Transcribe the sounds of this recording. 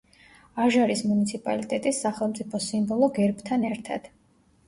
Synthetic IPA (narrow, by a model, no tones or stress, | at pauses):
aʒaɾismunit̪sʰipʼa̰lit̪ʼɛt̪ʼisːaχɛlˠmt̪sʼipʰɔsimbɔlˠɔɡɛɾbt̪ʰanɛɾt̪ʰa̰d̪̥